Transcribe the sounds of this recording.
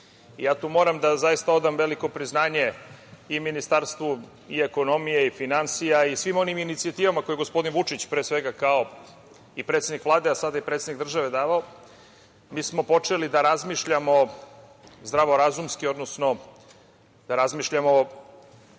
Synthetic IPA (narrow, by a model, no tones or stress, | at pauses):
ijaːt̪uːmo̞ɾamd̪azaist̪ao̞d̪amʋe̞liko̞pɾiznaːɲe̞iminist̪aɾst̪vu | ie̞ko̞no̞mijeifinansijaisʋimo̞niminit̪siat̪iːʋamako̞jeɡospo̞d̪inʋut͡ʂit͡ɕpɾeːsʋe̞ɡakao̞ | ipɾet̪sed̪nikʋlˠaːd̪easad̪aipɾet̪senikɡd̪r̩ʒaʋe̞d̪aːʋao | miːsmo̞po̞t͡ʂe̞lid̪aɾazmiʃʎamo̞ | zd̪ɾaʋo̞ɾazumskio̞d̪no̞sno̞ | d̪aɾazmiʃʎamo̞